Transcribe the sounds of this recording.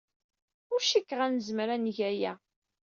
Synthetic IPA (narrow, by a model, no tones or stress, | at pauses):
ʊɾʃikːʁænəzmɾænʝæjæ